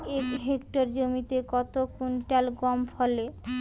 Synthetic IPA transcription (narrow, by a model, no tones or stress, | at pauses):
ekɦekʈaɾd͡ʑomit̪ekɔt̪okunʈalɡɔmfʰɔle